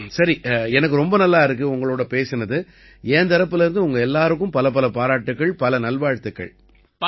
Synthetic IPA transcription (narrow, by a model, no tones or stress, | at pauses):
sɐɾiɛnɐk̬ːɯɾɔmbɐnɐlːaːɪɾɯk̬ːɯʊŋɡɐɭoːɽɐpeːsɐnɐðɯ | eːnt̪ɐɾɐpːɯlɐɾɯnd̪ɯʊŋɡɐɛlːaːɾɯk̬ːɯ̃mpɐlɐp̬ɐlɐpaːɾaːʈːɯkːɐɭpɐlɐnɐlʋaːɻt̪ɯkːɐ̰ɭ